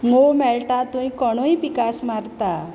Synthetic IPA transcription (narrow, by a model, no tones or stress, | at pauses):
momɛɭʈãt̪ũĩkəɽ̃oĩpikasmaɾt̪a